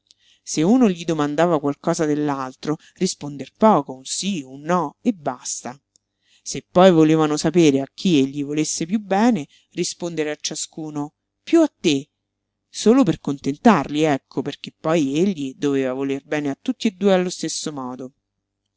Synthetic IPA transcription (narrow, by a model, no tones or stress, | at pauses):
seuːnoʎid̪omand̪aːvakwalkɔːzad̪elːalt̪ɾo | rispond̪erpɔːkosiunːɔebːast̪a | sepːɔjvoleːvanosapeːɾeak̟ʰːieʎːivolesːepjubːɛːne | rispond̪eɾeat͡ʃːaskuːno | pjuat̪ːe | soːloperkont̪ent̪arliɛkʰːoperk̟epːɔjeʎːid̪oveːvavolerbɛːneat̪ːut̪ːied̪ːuːealːost̪esːomɔːd̪o